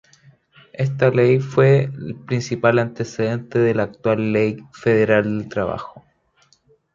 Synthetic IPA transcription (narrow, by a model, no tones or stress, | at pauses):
est̪alejfwelpɾinsipalant̪eseðe̞nt̪eðelaːk̚t̪walːejfeð̞eɾald̪elt̪ɾaβa̰xo̥